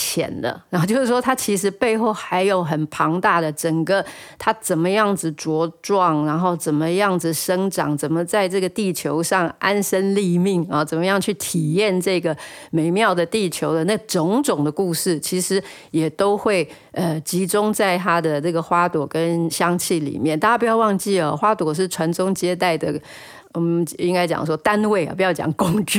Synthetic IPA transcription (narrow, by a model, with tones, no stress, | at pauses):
t͡ɕʰjɛ̰˨˩nlə̰˦˧˥n˥˧t͡ɕjo˥˧ʊʂ̩˥˩ʂwɔ˥t̪ʰa˥t͡ɕʰi˧˥ʂɻ̩˧˥pe˥˧ɪxo˥˩ʊxa˧˥ɪjo˨˧˩ʊxə˨˩npʰɑ˧˥ŋt̪a˥˩d̪ə˩ʈ͡ʂə˨˩ŋɡə˦t̪ʰa˥t͡sə˨˩nmə˦jɑ˥˩ŋd͡z̩˨˩ʈ͡ʂwɔ˧˥ʈ͡ʂwɑ˥˩ŋɻa˧˥nxo˥˩ʊt͡sə˨˩nmə˦jɑ˥˩ŋd͡z̩˨˩ʂə˥ŋʈ͡ʂɑ̰˨˩ŋt͡sə˨˩nmə˨t͡sa˥˧ɪʈ͡ʂɤ˥˩ɡə˩t̪i˥˩t͡ɕʰjo˧˥ʊʂɑ˥˩ŋʔa˥nʂə˥nli˥˧mi˥˩ŋɐ˨˩t͡sə˨˩nmə˦jɑ˥˧ŋt͡ɕʰy˥˩t̪ʰi˨˩jɛ˥˧nʈ͡ʂɤ˥˩ɡə˩me˧˥ɪmjɑ˥˩ʊd̪ə˩t̪i˥˩t͡ɕʰjo˧˥ʊd̪ə˧na˥˩ɡə˩ʈ͡ʂʊ˧˥ŋʈ͡ʂʊ˨˩ŋd̪ə˦ku˥˧ʂɻ̩˥˩t͡ɕʰi˧˥ʂɻ̩˧˥ | jɛ˨˩t̪o˥ʊxwe˥˩ɪ | ə˧t͡ɕi˧˥ʈ͡ʂʊ˥ŋt͡sa˥˩ɪt̪ʰa˥d̪ə˨nɤ˥˩ɡə˩xwa˥t̪wɔ˨˩˦kə˦nɕjɑ˥ŋt͡ɕʰi˥˩lḭ˨˩mjɛ˥˩nt̪a˥˩a˥pu˧jɑ˥˧ʊwɑ˥˧ŋt͡ɕi˥˩ə˨˩xwa˥t̪wɔ˨˩ʂ̬ɻ̩˥˩ʈ͡ʂʰwa˧˥nʈ͡ʂʊ˥ŋt͡ɕjɛ˥t̪̬a˥˩ɪd̪ə˩ | ɔ˨˩mi˥ŋka˥ɪt͡ɕjɑ̰˨˩ŋ˦ʂwɔ˥t̪a˥nwe˥˩ɪɐ̰˨˩pu˧˥jɑ˥˩ʊt͡ɕjɑ̰˨˩ŋkʊ˥ŋʈ͡ʂy˥˨